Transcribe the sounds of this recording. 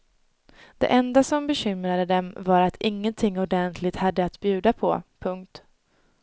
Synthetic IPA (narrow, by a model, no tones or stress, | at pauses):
d̪̥ɛ̰ʔɛnd̪asɔmbɛɕʏmɾad̪əd̪ɛmvaɾat̪ʰɪŋːənt̪ʰɪŋːɔd̪ɛnt̪ʰlɪt̪had̪ːəat̪bjʉ̟ːd̪apʰɔ̰pʰɵŋk̚t̪